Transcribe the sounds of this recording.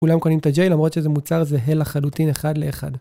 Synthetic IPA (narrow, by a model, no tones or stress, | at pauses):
kulamkonimt̪ad͡ʒejlamʁo̞t̪ʃezemut͡saʁzeɦe̞laχalutineχad̪leːχa̰d